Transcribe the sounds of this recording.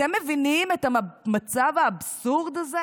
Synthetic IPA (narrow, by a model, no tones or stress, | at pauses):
emːevinimet̪hamat͡savaːbsuʁd̪aze